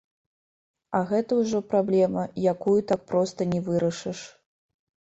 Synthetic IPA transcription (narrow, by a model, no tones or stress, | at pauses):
ɐɣɛt̪ɐwʐɔpɾablʲɛmɐjakujut̪ak̚pɾɔst̪ɐnʲɛvɨɾɐʂɨʂ